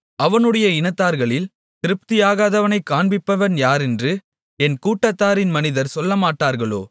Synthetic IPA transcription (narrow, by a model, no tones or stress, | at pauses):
ɐʋɐnɯɽɐjɐɪnɐt̪ːaːɾɣɐɭɪl | t̪ɪɾɯp̚t̪ɪjaːɣaːðɐʋɐnɐɪkːaːɳbɪpːɐʋɐnjaːɾɛndrɯ | ɛnkuːʈːɐt̪ːaːɾɪnmɐnɪðɐɾsɔlːɐmaːʈːaːɾɣɐɭo̰ː